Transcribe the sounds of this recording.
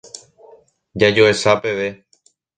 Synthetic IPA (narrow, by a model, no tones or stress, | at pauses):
d͡ʒad͡ʒoesape̞ʋe̞